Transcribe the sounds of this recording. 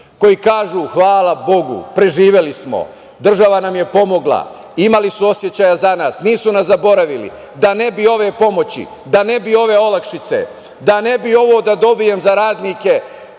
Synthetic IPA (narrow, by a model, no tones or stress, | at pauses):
ko̞jikaːʒuːxʋaːlabo̞ɡṵpɾe̞ʒiːʋe̞lismo̞̰ | d̪r̩ʒaʋanamje̞po̞mo̞ɡla̰ | imalisuo̞sje̞t͡ɕajazanaːsniːsunasabo̞ɾaʋilḭ | d̪ane̞bio̞ʋe̞ːpo̞mo̞t͡ɕḭ | d̪ane̞bio̞ʋe̞o̞lakʃit̪se̞̰ | d̪ane̞bio̞ʋo̞ːd̪ad̪o̞bije̞mzaɾaːd̪nike̞